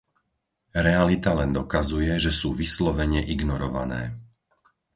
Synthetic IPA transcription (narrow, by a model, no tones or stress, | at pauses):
ɾɛalit̪alɛnd̪ɔkazujɛʒɛsuːʋislɔʋɛɲɛʔiɡnɔɾɔʋa̰nɛ̰ː